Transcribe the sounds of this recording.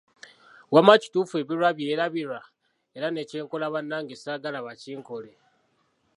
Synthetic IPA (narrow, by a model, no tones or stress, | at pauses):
wamaci̥tuːfue̞βiɾwaβje̞ːɾaβiɾwa | eɾane̞ce̞ːŋko̞laβanːaŋɡesaɡalaβaciːŋko̞le